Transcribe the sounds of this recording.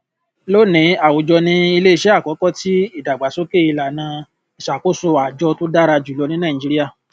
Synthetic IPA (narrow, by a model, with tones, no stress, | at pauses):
lo˦nĩ˨˦a˨wo˨d͡ʒɔ˧nĩ˧˦i˧le˦i˧ʃɛ˦a˦˨kɔ˨˦kɔ˦ti˦i˦˨da˨ɡ͡ba˨so˨˦ke˦˨i˧la˨nãː˧ | i˨ʃa˨ko˦so˧a˨d͡ʒɔ˧to˦da˦ɾa˧d͡ʒu˨lɔ˧nĩ˦nã˦˨d͡ʒi˦ɾi˦a˦˨